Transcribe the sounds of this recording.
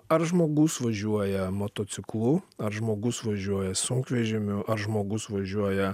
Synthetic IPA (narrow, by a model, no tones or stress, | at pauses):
ɐɾʒmoːɡʊsʋɐʒʲuɔjɛmoːt̪oːt̪sʲɪklˠuɐɾʒmoːɡʊsʋɐʒʲuɔjɛsʊŋkʋʲɛʒʲɪmʲʊʔɐɾʒmoːɡʊsʋɐʒʲuɔjɛ